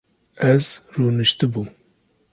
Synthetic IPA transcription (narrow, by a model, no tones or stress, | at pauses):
ɛzruːnɨʃt̪ɨbu